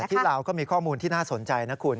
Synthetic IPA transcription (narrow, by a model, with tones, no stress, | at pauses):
t̪ʰiː˥˩ɾa˧wkɔː˥˩miː˧kʰɔː˥˩muː˧nt̪ʰiː˥˩naː˥˩so˨˩˦nt͡ɕa˧jna˦˥kʰu˧n